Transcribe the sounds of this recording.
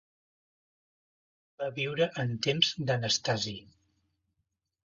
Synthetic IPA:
baβiwɾəʔənt̪emzd̪ənəst̪azi

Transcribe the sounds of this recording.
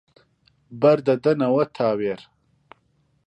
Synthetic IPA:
bɐɾd̪ɐd̪ɐnɐwɐt̪ʰaːweɾ

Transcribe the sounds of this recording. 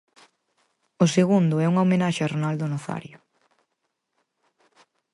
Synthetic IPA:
ʊseɣund̪ʊɛuŋaomenaʃɪaronald̪ʊnoθa̰ɾjʊ

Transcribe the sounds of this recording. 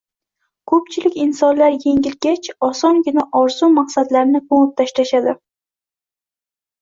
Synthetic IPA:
kʰɵpt͡ʃʰɪlɪkʲɪnsɒnlaɾje̞ŋʲɪlɡʲat͡ʃʰɒsɒŋɡʲɪnaʔɒɾzumaqsad̪laɾnɪkʰoŋp̚t̪ʰaʃlaʃad̪ɪ

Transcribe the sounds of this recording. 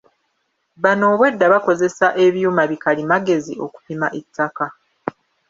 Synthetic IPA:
βano̞ːβwe̞dːaβako̞ze̞saʔe̞βjuːmaβikalimaɡe̞zḭo̞̰ku̥pimaʔetʰːaka

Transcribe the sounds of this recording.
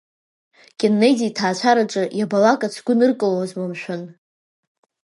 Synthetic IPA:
kʲʼenːejditʰaːt͡ʃʷʰaɾaʈ͡ʂʼɨjabalakʼat͡sʰɡʷʊnɨrkʼɨlowazmamʃʷᶣʊn

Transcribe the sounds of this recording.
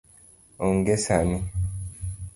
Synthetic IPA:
oŋɡesani

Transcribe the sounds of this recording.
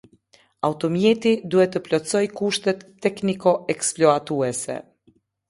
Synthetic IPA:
awt̪ɔmjɛt̪id̪uɛt̪əplɔt͡sɔjkuʃt̪ɛt̪ːɛknikɔɛksplɔat̪uɛsɛ̰

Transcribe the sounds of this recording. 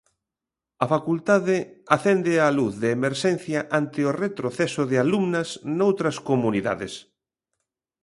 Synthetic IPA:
ɐfakult̪aðɪaθend̪ɪaluθðeːmeɾʃɛn̟θjɐʔant̪ɪoret̪ɾoθɛsʊðɪalumnɐsnowt̪ɾɐskomuniða̰ðɪ̰s

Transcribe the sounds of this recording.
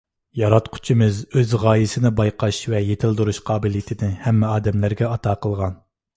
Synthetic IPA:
jɑɾɑt̪qʰʊ̥t͡ʃʰimɨzøzʁɑːjɪsɪnɪbɑjqʰɑʃvɛjet̪ʰɪlˠd̪uɾuʃqʰɑːbɪljit̪ʰɪnɪhɛmːɛɑːd̪ɛmlæɾɡʲɛɑt̪ʰɑːqəlˠʁɑn

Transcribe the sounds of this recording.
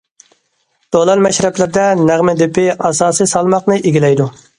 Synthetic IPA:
d̪̥olˠɑnmɛʃɾɛplɪɾd̪ɛnæʁmɪd̪ɪpʰɪɑsɑːsisɑlˠmɑqnɨʔeɡʲilɛjd̪u

